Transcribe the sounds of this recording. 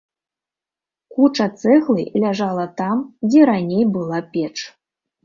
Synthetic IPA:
kut͡ʂɐt̪sɛɣlˠɨ̰lʲaʐalˠɐt̪amd͡zʲɛɾanʲejbɨlˠapʲɛt͡ʂ

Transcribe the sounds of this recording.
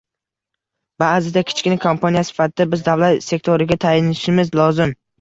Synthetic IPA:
baːzɪd̪akʲʰɪ̥t͡ʃkʲɪnakʰompʰanijasɪ̥fat̪ʰɪd̪abɪzd̪avlat̪se̞k̚ʲt̪ʰoɾɪɡʲat̪ʰajɪnɪʃɪmɪzlˠɒzɪm

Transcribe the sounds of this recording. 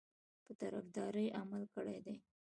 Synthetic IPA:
pət̪aɾafd̪ɑɾəjʔamalkəɽejd̪ej

